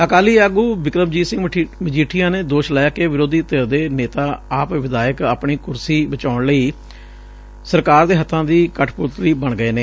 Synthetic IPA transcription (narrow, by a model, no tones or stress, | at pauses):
əkaːliːaːɡuːbɪkɾəbd͡ʒiːsɪ̃ŋmɪd͡ʒiːʈʰɪjãːneːd̪oːʃlɛːaːkeːʋɪɾoːd̪iːt̪eɾd̪eːneːt̪aːaːpʋɪd̪aːjəka̰ːpɳiːkʊɾsiːbət͡ʃaːʊɳləiː | səɾkaːɾd̪eːɦət̪ʰːãːd̪iːkəʈʰpʊɾt̪ɾiːbəɳɡəeːneː